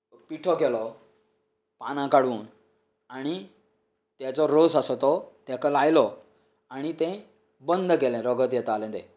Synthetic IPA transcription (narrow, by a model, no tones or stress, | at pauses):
piʈʰɔkɛlɔ | panãkaɽuːn | aɽ̃i | t̪jat͡sɔɾosəsɔt̪ɔt̪jakəlajlɔ | aɽ̃it̪ɛ̃ | bənd̪ʱkɛlɛ̃ɾɔɡət̪jɛt̪alɛ̃d̪ɛ̰̃